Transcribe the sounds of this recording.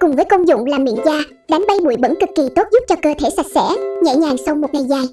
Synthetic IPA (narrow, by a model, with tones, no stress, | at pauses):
kʊ˨˩ŋ͡mvəː˨˦jko˧nzʊ̰˧˨ŋ͡mlaː˨˩mḭ˧˨ənzaː˧ | ɗa˨˦jŋ̟ɓa˧jɓṵ˧˩˨jɓə̰˧˥nkɨ˨˩kːi˨˩t̪o˦˥t̚zʊ˦˥p̚t͡ɕɔ˧kəː˧t̪ʰe˧˩sa˨˩k̟̚sɛ̰˧˥ɲə̰˧˨jɲaː˨˩ŋsa˧wmo˨˩t̚ŋa˨˩jzaː˨˩j